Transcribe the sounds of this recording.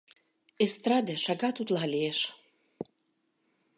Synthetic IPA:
est̪rɑd̪ʲeʃɑɡɑt̪ut̪lɑlʲieʃ

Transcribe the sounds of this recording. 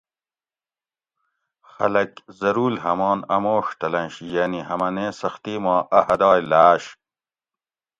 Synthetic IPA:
xɐlɐkzɐɾuːlhɐmɑːnɐmoːʂt̪ɐlɐ̃nɕjaːnihɐmɐneːsɐxt̪iːmɑːʔɐhɐd̪ɑːjlaːɕ

